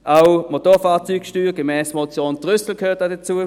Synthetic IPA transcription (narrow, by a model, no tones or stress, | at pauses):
ʔaʊmotoːfaːt͡syːkʃtyːʁɡ̥əmɛːsmot͡sjoːntʁʏsl̩kʰhøːtd̥aːdət͡suːə